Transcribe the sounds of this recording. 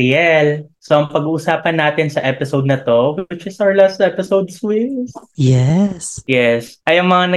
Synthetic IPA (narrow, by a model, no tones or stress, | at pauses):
ɛlsoʔɐŋpɐɡuːʔʊsaːpɐnːaːt̪ɪnsɐʔɛpɪsowd̪̚nɐt̪o̞wɪt͡ʃɪsawɹlast̪̚ʔɛpɪsowd̪̚swɪmsjɛsjɛsʔɐjɐŋmɐŋanɐ